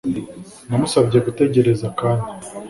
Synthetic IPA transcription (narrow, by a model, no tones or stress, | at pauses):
namusavɟe̞ɡute̞ɟe̞ɾe̞zakaːndi